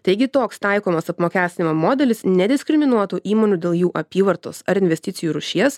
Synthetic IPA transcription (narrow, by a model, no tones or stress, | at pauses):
t̪ɐɪɡʲɪt̪oːkst̪ɐɪkoːmɐsɐpmoːkʲæːsʲt̪ʲɪnʲɪmomoːd̪ʲɛlʲɪsnʲɛd̪ʲɪsʲkʲɾʲɪmʲɪnuɔt̪uːʔiːmoːnʲuːd̪ʲeːlˠjuːʔɐpʲiːʋɐɾt̪o̰ːsɐɾɪnʲʋʲɛsʲt̪ʲɪt̪sʲɪjuːɾʊʃʲiɛs